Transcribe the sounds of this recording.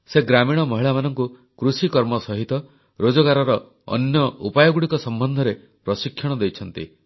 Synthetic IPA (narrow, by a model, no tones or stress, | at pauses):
seɡɾamiɽ̃ɔmɔɦiɭamanɔŋku | kɾusikɔɾmɔsɔɦit̪ɔ | ɾod͡ʒɔɡaɾɔɾɔ | ɔ̰njɔupajɔɡuɽikɔsɔmbɔnd̪ʱɔɾe | pɾɔsikʰjɔɽ̃ɔd̪ejt͡ʃʰɔn̪t̪ḭ